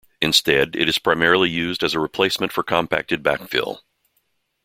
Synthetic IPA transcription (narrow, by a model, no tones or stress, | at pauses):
ɨ̃nstɛɾɪ̰ɾɨz̥pʰɹ̥aɪmɛɹl̩ˠijʉzdɨzəɹɨpʰl̥eɪsmɨ̃ntfə˞kʰɑ̃mpʰæ̰k̚tɨd̚bæ̰kfḭlˠ